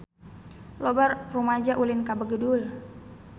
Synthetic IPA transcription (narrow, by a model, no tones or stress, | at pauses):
lobarprumad͡ʒaʔulɪnkabəɡədul